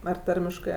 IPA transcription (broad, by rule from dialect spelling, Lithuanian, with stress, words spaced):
ɐr ˈtɐrʲmʲɪʃkɜ